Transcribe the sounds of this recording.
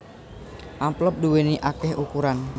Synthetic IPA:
ʔamplɔp̚d̪uweniʔakɛhukuɾan

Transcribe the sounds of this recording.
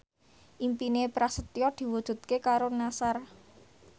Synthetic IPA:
ʔimpinepɾasət̪jɔd̪̥i̤wud̥ʒ̥ṳt̪̚kekaɾonasar

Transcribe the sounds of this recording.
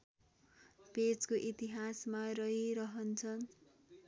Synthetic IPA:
pet͡skoʔit̪iɦasmarʌiɾʌɦʌnt͡sʰʌn

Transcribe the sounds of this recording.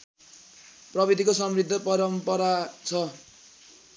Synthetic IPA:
prʌbid̪ʱikosʌmrid̪ʱːʌpʌɾʌmpʌɾat͡sʰʌ

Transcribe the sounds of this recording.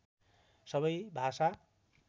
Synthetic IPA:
sʌβʌjbʱasa

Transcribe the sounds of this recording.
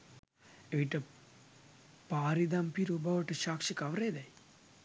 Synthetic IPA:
eʋiʈːɨ | paːɾid̪ɐmpiɾuːbaʋɐʈːɨʃaːkʂikɐʋreːd̪aj

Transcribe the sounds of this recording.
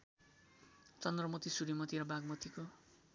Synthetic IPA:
t͡sʌnd̪rʌmot̪isuɾimʌt̪iɾʌbaɡmot̪iko

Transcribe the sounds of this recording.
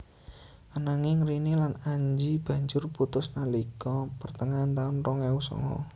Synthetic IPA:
ʔanaŋɪŋrinilanaɲd͡ʒib̥ä̤ɲd͡ʒʊrput̪ʊsnalikɔpərt̪əŋant̪aʊnrɔŋɛusɔ̰ŋɔ̰

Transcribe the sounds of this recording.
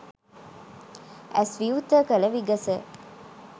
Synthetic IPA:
æsʋiut̪əkələʋiɡɐsə

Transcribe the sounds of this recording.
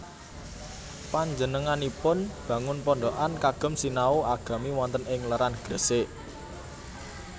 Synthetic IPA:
paɲd͡ʒənəŋanipʊnb̥ä̤ŋʊnpɔɳɖoʔankaɡ̥ə̤msinauaɡ̥a̤miwɔnt̪ənɪŋləɾanɡ̥ə̤seʔ

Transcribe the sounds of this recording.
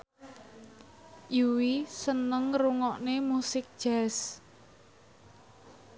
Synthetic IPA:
ʔuwisənəŋruŋɔʔnemusɪk̚ʒ̥ɛs

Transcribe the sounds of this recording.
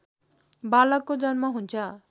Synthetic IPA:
balʌkːod͡zʌnmaɦunt͡sʰʌ

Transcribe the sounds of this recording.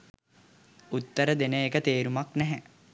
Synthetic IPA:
ut̪ːəɾəd̪enəekət̪eːɾumaknɛɦæ

